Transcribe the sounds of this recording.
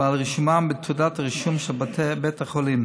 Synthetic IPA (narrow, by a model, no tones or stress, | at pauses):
alʁiʃumambɪt̪ʰudataʁiʃumʃɛlbatʰɛbɛtaχɔlim